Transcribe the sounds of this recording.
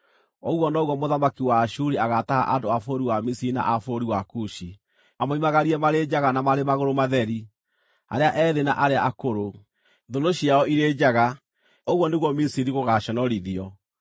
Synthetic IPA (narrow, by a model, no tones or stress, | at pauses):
ɔɣwɔnɔɣwɔmoðamakiwaːʃuɾiaɣataɣa̰ʔandoafoɾiwamisiɾina̰ʔafoɾiwakuʃi | amoimaɣaɾiɛmaɾed͡ʒaɣanamaɾemaɣoɾomaðɛɾi | a̰ɾeaʔɛðena̰ʔaɾeaʔakoɾo | ðodoɕiaɔiɾed͡ʑaɣa | oɣwɔneɣwɔmisiɾiɣoɣaɕɔnɔɾiðiɔ